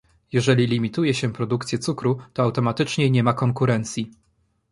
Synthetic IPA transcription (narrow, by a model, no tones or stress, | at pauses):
jɛʐɛlʲilʲimʲit̪ujɛɕɛpɾɔd̪ukt̪sʲjɛt̪sukɾut̪ɔawt̪ɔmat̪ɘt͡ʂɲɛɲɛmakɔŋkuɾɛnt̪sʲji